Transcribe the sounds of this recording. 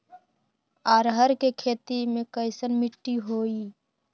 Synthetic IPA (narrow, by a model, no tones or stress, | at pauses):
aːɾɦəɾkekʰeːt̪imẽkəɪsənmɪʈːiɦoːiː